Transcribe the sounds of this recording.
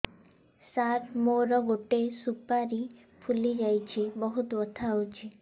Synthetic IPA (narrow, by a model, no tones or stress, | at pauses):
saɾmoɾɔɡoʈesupaɾi | pʰulid͡ʒajt͡ʃʰibɔɦut̪ɔt̪ʰawt͡ʃʰi